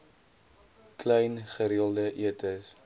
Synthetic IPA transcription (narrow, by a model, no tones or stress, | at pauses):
klɛjnχəɾiəlˠdəʔiətʰəs